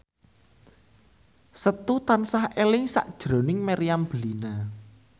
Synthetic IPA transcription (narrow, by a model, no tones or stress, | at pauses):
sət̪ut̪ansahelɪŋsa̰ʔd̥ʒ̥ɾo̤nɪŋmaɾijamb̥əlina